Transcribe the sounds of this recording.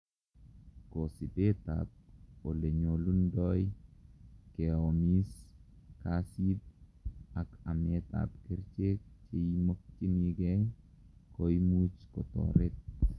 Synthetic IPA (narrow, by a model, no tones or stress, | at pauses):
kosibet̪a̰t̚oleɲolundɔj | keomiskasit̚ | akamet̪a̰pkeɾt͡ʃekt͡ʃeimok̚t͡ʃiniɡeŋ | kojmut͡ʃkot̪o̰ɾet̪̚